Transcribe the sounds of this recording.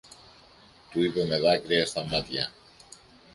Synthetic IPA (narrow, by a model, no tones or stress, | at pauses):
t̪uiβemeðakɾeesθamat̪ja